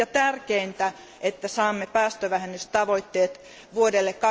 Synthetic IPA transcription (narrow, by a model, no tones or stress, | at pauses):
ɑt̪ærkeint̪æ | ʔet̪ːæsɑːmːepæːst̪øʋæhenːyst̪ɑʋoit̪ːeːt̪ | ʋuodelːekkɑ